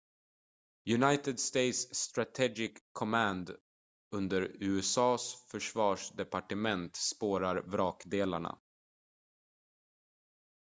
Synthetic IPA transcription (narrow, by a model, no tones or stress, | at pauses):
jɵnajt̪əd̪st̪ejt̪sːt̪ɾat̪ʰɛɡɪkʰːɔmænd̪ | ɵnd̪əɾʉ̟ːɛsɑːsfœʂvɑːʂd̪ɛpaʈəmɛnt̪spoːɾaɾvɾɑːkd̪eːla̰ɳa̰